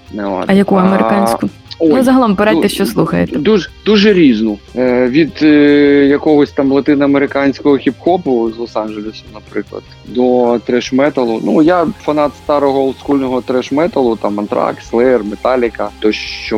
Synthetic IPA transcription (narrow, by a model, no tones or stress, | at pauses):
nɛ̰ɐjɐkuɐmeɾɪkɑnʲsʲkʊ | oʊzɐɦɐlˠɔmpeɾɛɛʃt͡ʃɔslˠuxɐjḛt̪ɛd̪uʒd̪uʒɛɾʲiznʊʋʲid̪jɐkɔɦɔsʲt̪ɑmlˠɐt̪ɪnɪɐmeɾɪkɑnʲsʲkɔɦɔxʲipxɔpʊzlˠɔsɑnʒelʲɪsʊnɐpɾɪklˠɐ̰d̪̥ | d̪ɔt̪ɾɛʃmɛt̪ɐlˠʊnujafɐnɑt̪st̪ɑɾɔɦɔlˠskulʲnɔɦɔt̪ɾɛʃmɛt̪ɐlˠʊt̪ɑmɐnt̪ɾɑ̰kslˠɛrmet̪ɑlʲɪkɐt̪ɔʃt͡ʃɔ